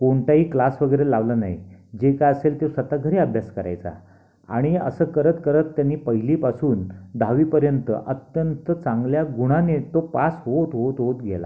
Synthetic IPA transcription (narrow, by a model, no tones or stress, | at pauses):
koɳʈ̪aɦiːklasʋəɡəjɾelaʋlanaɦid͡ʑekajəselt̪esʋət̪aɡʱəɾeəbʱjaskəɾa̰jt͡sa̰ | a̰ɽ̃iə̰səːkəɾət̪kəɾət̪ːjanːiːpəɦiliːpasuːnd̪ʱaʋiːpəɾjənt̪ə̰ʔət̪jənt̪ət͡sãŋɡljaɡuɽ̃anet̪opasɦot̪ɦot̪ɦot̪ɡʱela̰